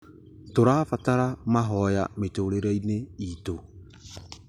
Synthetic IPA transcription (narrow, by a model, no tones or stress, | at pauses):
toɾaːfataɾamaɦɔjametoɾeɾaineiːto